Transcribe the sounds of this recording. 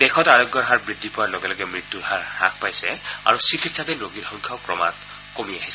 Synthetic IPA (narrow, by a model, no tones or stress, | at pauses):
d̥ɛkʰɔtaɹɔɡɔɹɦaɹbɹidʱːipɔɹaloɡɛlɔɡɛmɹitːuɹhaɹɾa̰k̚ʰpajsɛa̰ɹusikʰitsatɛnoɡitxɔŋkʰaʊkɹɔma̰t | komiaɦis